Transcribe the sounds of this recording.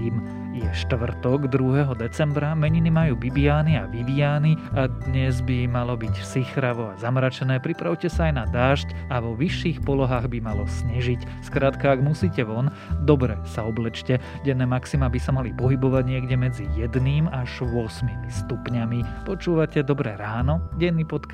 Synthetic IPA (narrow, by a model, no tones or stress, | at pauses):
iːm | jɛʃt̪ʋr̩t̪ɔɡd̪ɾuɦɛɦɔd̪ɛt͡sɛmbɾamɛɲinimajuːbibiaːniaʋid̪iaːniad̪ɲɛzbimalɔbicsixɾaʋɔazamɾat͡ʃɛnɛːpɾipɾaʊcɛsaajnad̪aːʃcaʋɔʋiʃːiːxpɔlɔɦaːɣbimalɔsɲiʒic | skɾaːt̪kaːɡmusiːcɛʋɔn | d̪ɔbɾɛsaɔblɛt͡ʃcɛ | ɟɛnːɛːmaksimabisamalipɔɦibɔʋaɟɲɪɛɡɟɛmɛd͡zijɛd̪niːmaʒʋʊɔsmimist̪upɲamipɔt͡ʃuːʋacɛd̪ɔbɾɛɾaːnɔɟɛnːipɔt̪ka